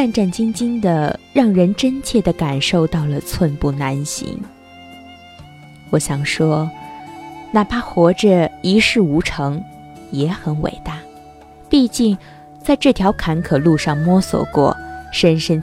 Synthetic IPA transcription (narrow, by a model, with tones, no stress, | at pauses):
a˥˧nʈ͡ʂa˥˩nt͡ɕi˥ŋt͡ɕi˥nd̪ə˨ɻɑ˥˩ŋɻə˧˥nʈ͡ʂə˥nt͡ɕʰjɛ˥˩d̪ə˩ka˨˩nʂo˥˧ʊt̪ɑ˥˩ʊlə˩t͡sʰwə˥˧npu˥˩na˧˥nɕḭ˧˥ŋ | wɔ˧˥ɕjɑ˨˩ŋʂwɔ˥ | na˨˩pa˥xwɔ˧˥ʈ͡ʂə˥˧i˧˥ʂɻ̩˥˩u˧˥ʈ͡ʂʰɤ˧˥ŋ | jɛ˧˥xə˧˥nwḛ˨˩ɪt̪a˥˩ | pi˥˧t͡ɕi˥˧ŋ | t͡sa˥˧ɪʈ͡ʂɤ˥˩t̪ʰjɑ˧˥ʊkʰa˧˥nkʰɤ˨˩lu˥˧ʂɑ˥˩ŋmwɔ˥swɔ̰˨˩kwɔ̰˥˩ʂə˥nʂə˥n